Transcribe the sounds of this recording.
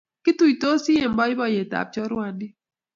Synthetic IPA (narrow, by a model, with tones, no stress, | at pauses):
kɪ˦tu˨i˨to˦si˦e˨mbɔ˦i˦bɔ˨je˨ta̰˨p̚t͡ʃɔ˦ɾwa˨ndi˦